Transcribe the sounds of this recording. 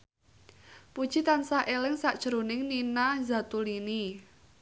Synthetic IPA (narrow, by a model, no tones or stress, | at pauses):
pud̥ʒ̥i̤t̪ansaʔelɪŋsaʔd̥ʒ̥əɾonɪŋninaza̤t̪ulini